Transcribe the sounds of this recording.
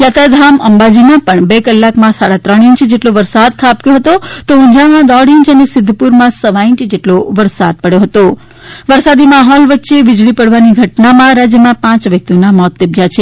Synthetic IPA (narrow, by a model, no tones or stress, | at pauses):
jat̪ad̪ʱaməmbad͡ʒimãpəɳbekəlːakmãsaɽat̪ɾəɽ̃iɲt͡ʃd͡ʒeʈloʋəɾsad̪̚kʰapkjõɦət̪ot̪oʊ̃ɲd͡ʒamãd̪ɔɽiɲt͡ʃənesɪd̪ʱːpuɾmãsəʋaĩɲt͡ʃd͡ʒeʈloʋəɾsad̪̚pəɽjoɦət̪o | ʋəɾsad̪imaɦɔlʋətːʃeʋɪd͡ʒɭipəɽʋaniɡʱəʈnamãɾad͡ʒjəmãpãt͡ʃʋjək̚t̪ionamɔt̪ːəbʱjat͡ʃʰe